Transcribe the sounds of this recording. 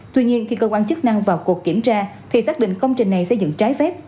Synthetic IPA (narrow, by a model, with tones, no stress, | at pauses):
t̪wi˧ɲi˧ənxi˧kəː˧kwaː˧nt͡ɕɨ˦˥k̚na˧ŋvaː˨˩wku˨˩əkːi˧˩əmt͡ɕaː˧t̪ʰi˨˩saː˦˥k̚ɗḭ˧˨ŋ̟kə˧wŋ͡mt͡ɕï˨˩ŋ̟na˨˩jsə˧jzɨ̰˧˨ŋt͡ɕaː˨˦jfɛ˦˥p̚